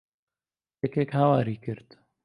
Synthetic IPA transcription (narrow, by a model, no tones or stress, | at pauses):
jɛkekhawaːɾiːkɨɾt̪